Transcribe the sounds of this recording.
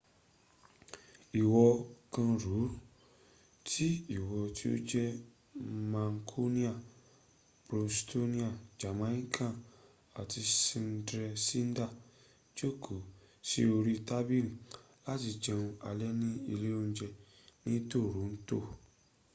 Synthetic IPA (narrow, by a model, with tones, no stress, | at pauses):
i˨wɔ˧kã˧ɾu˨˦ | tʰi˦i˦˨wɔ˨˧tʰi˦o̰˦d͡ʒɛ˦ | mã˨ŋkʰo˦nĩ˦a˦˨ | bɾo˨˧sto˦nĩ˦a˦˨d͡ʒa˨mã˦ĩ˦kʰã˦˨ | a˨tʰi˧sĩ˧n˦dɾɛ˧si˦n˦da˦˨ | d͡ʒo˦kʰo˨ | sḭ˦o˧ɾi˦ta˦bi˦li˨ | la˦ti˧d͡ʒɛ̃˧ũ˧a̰˨˧lɛ˦nĩ˦i˧le˦õ˧˦d͡ʒɛ˧ | nĩ˦to˦˨ɾu˨˦n̩˦to˦˨